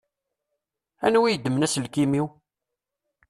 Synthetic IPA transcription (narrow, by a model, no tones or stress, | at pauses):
æ̰nwijəd̪ːəmənæsəlkimiw